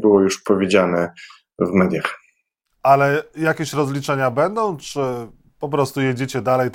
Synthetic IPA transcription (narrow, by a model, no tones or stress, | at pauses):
bɘwɔjuʂpɔvʲed͡ʑanɛ | vmɛd̪ʲjax | alɛjakʲeɕɾɔzlʲit͡ʂɛɲabɛnd̪ɔ̃w̃t͡ʂɘ | pɔp̬ɾɔst̪ujed͡ʑet͡ɕɛd̪alɛj